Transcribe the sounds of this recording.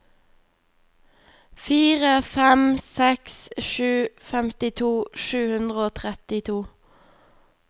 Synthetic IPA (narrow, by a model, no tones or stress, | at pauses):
fiːʁəfɛmsɛksʃʉːfɛmt̪ɪt̪ʰuːʃʉːhʉnd̪ʁəoːt̪ʰʁɛt̪ɪt̪ʰuː